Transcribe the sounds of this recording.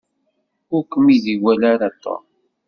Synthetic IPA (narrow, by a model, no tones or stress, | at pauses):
ʊɾkəmiðiwælaɾat̪ːo̰